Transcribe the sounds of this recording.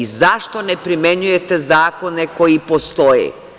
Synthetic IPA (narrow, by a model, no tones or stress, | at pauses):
izaʃt̪o̞nepɾimeɲujet̪ezaːko̞neko̞jipost̪ojḛ